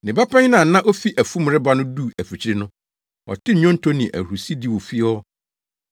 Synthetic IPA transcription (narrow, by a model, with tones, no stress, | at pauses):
nɪ̃˨ba˦pã˦ɲ˦nã˨˦nã˦ʔo˦fi˦ʔæ˨fũ˦m˨ɾɪ˦ba˦nʊ̃˦du˦˨æ˨fi˨t͡ɕʰɾɪ˦nʊ̃˦ | ɔ̰˨tʰɪ˦˨ɲɔ̃˦n̩˦tʰo˦nɪ̃˨ʔæ̰˨hu˨si˦di˦wo˨fi˦ɔ˦